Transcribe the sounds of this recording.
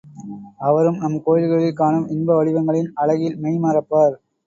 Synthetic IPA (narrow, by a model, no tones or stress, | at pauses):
ɐʋɐɾɯmnɐmkoːjɪðɯɣɐɭɪlkaːɳɯmɪnbɐʋɐɻɪʋɐŋɡɐɭɪnɐɭɐɣɪlmɛɪmaːɾɐpːaːɾ